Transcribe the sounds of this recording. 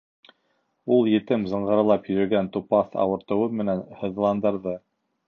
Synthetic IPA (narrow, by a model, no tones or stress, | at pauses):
ulˠjɘ̆t̪ɘmzɤ̆ɴɢɤ̆ɾɤ̆lˠɑpjɵ̆ɾɘ̆ɡænt̪upɑθɑ̰wɤ̆ɾt̪ɤ̆wɤmɘ̆nænhɤ̆ð̆lˠɑnd̪ɤ̆ɾðɤ